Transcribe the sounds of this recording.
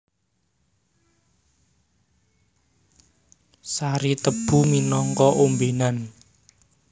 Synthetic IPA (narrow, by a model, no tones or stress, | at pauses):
saɾit̪əb̥ṳminɔŋkɔʔombenan